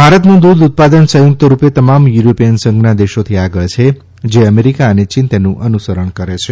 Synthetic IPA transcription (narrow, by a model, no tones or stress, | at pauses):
bʱaɾət̪nũd̪ud̪ut̪̚pad̪ənsəjuk̚t̪əɾupet̪əmamjuɾopijənsə̃ŋɡnad̪eʃot̪ʰiaɡəɭt͡ʃʰe | d͡ʒeəmeɾikaənet͡ʃint̪enũʔənusəɾəɳkəɾet͡ʃʰe